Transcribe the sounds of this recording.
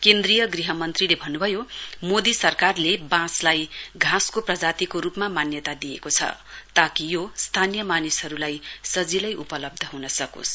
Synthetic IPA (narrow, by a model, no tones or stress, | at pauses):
kend̪rijʌɡriɦʌmʌnt̪rilebʱʌnːubʱʌjomod̪isʌrkarlebãslajɡʱãskoprʌd͡zat̪ikoɾupmamanjʌt̪ad̪ijekot͡sʰʌ̰t̪akijost̪ʰanijʌmanishʌɾulajsʌd͡zilʌjʔupʌlʌb̚d̪ʱʌɦunʌsʌko̰s